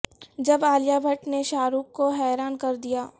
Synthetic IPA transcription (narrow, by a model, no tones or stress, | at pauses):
d͡ʒɐbaːljaːbʱɐʈneʃaːɾuːkkːoɦɛːɾaːnkɐɾd̪ijaː